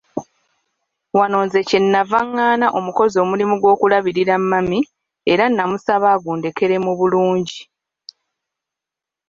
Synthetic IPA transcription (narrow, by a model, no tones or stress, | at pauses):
wano̞ːnze̞cenːavaŋːaːnaʔo̞muko̞zo̞ːmulimuɡwo̞ːkulaβiɾiɾamːami | e̞ɾanːamusaβaːɡuːnde̞ke̞ɾe̞muβuluːɲɟi